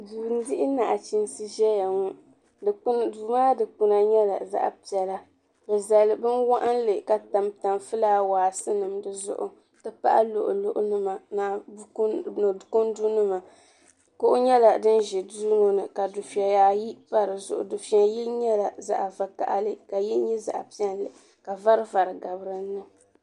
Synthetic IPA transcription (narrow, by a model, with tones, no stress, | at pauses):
duː˨n˦dɪ˦ʔɪ˦na˨ʔt͡ʃi˦nsɨ˦ʒɛ˦ja˨ŋu˦˨˦ | duː˨maː˦dɨ˨k͡pu˨na˨ɲɛ˦la˨za̰˦ʔpi˨ɛ˨la˦ | bɛ˨za˨lɨ˨bɨ˦nwa˦ʔa˦n˦lɨ˨ka˨ta˨mta˨mfɨ˦laː˦waː˨sɨ˦nɨ˨mdɨ˨zʊ̰˦ʔʊ˦ | tɨ˦pa̰˦ʔa̰˦lo˨ʔʊ̰˨lʊ˦ʔʊ̰˦nɨ˦ma˨na˨˦ | n˨kʊ˦n˦du˦nɨ˦ma˨ | kʊ˦ʔʊ˦ɲɛ˦la˨dɨ˦nʒi˨du˦ŋo˦nɨ˨ka˨du˨fi˨ɛ˨jaː˨ji˦pa˦ɾɨ˨zʊ̰˨ʔʊ̰˨dʊ˨fi˦a˨jɛ˦ɲɛ˦la˨za̰˦ʔva˨ka̰˨ʔa˦lɨ˦ka˨jɛ˦ɲɛ˦za̰˨ʔpi˦ɛ˦n˦lɨ˨ | ka˨va˦ɾɨ˦va˨ɾɨ˨ɡa˨bɨ˦ɾɨ˨˦nɨ˦